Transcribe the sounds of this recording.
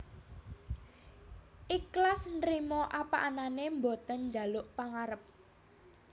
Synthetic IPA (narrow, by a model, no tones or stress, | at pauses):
ʔiklasnɾimɔʔapaʔananembot̪ənɲd͡ʒa̤lʊʔpaŋaɾəp̚